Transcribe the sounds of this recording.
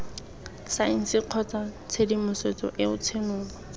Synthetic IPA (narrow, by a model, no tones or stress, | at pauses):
saɪn̩sɪq͡χʰɔt͡sat͡sʰedimʊset͡sɔ̰ʔɪʊt͡sʰenʊːŋɔ